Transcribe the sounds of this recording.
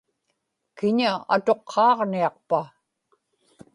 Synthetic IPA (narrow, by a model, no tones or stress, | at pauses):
kɪɲaa̰t̪o̞qʰːɑːʁniɑq̚pa